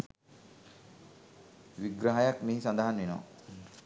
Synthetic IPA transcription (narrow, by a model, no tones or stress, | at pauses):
ʋiɡɾaɦajakmiɦisand̪aɦanʋinɔ̰ː